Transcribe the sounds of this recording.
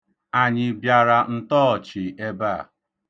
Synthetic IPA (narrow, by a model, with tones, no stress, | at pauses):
a˨ɲɪ˨bja˨ɾa˨n̩˦tɔː˦˨t͡ʃɪ˨e˦baː˦˨